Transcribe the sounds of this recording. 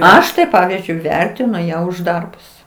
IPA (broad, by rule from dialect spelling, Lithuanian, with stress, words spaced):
ˈɐʃ tɐɪ ˈpɑːʋʲiːzʲd͡ʒʲʊɪ ˈʋʲɛrʲtʲɪnʊ ˈjæː ʊʃ ˈdɐrbʊs